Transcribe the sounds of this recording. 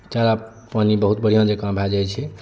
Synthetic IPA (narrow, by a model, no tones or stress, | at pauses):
t͡ʃaɾa | panibəɦut̪bəɽ̤ijãd͡ʒekãbʱad͡ʒajt͡ʃʰi